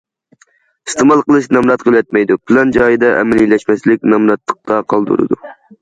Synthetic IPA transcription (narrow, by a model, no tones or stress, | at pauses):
i̥st̪ɨmɑlˠqəlˠɨʃnɛmɾɑt̪̚qʰəlˠɛt̪̚mɛjd̪upʰlɛnd͡ʒɑjɨd̪ɑʔɛ̰mɛlilɛʃmɛslɪk̚ʲnɛmɾɑt̪lːə̥q̚t̪ɑqʰɑlˠd̪ṵɾɨ̰d̪ṵ